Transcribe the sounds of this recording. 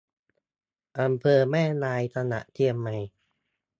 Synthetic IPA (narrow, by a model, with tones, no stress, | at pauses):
ʔa˧mpʰɤː˧mɛː˥˩naː˧jt̪ʰa˧na̰˨˩ʔt̪ʰi˧əmːa˧j